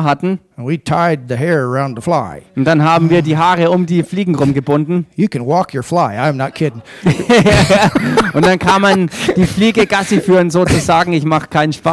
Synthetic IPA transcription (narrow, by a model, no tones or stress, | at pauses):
ɦatn̩ | ə̃nwitʰaɪd̪̚ðɨɦɛɹə˞ãʊ̃nðəflaɪʊnd̥anɦaːbm̩viːɐdiːɦaːʁəʊmdiːfliːɡŋ̩ʁʊmɡəbʊndn̩jɨkɨ̃nwɔkʰjə˞flaɪãɪ̃mnət̚kʰɪd̃ŋ̩ | jajaʊntd̥ankʰaːmːand̥iːfliːɡəɡasifyːʁənzoːt͡suzaːɡŋ̩ɪçmaχkʰaɪnənʃpaː